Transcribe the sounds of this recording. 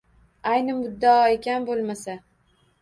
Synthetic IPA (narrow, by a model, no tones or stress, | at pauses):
ajnɪʊd̪ːaekʲanbolˠmasa